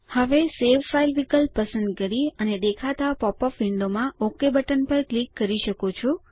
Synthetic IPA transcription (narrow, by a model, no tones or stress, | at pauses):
həʋeseʋfailʋikəlpəsənd̪kəɾiəned̪ekʰat̪apɔpɔfʋɪɳɖomãokebəʈənpəɾklikːəɾiʃəkot͡ʃʰu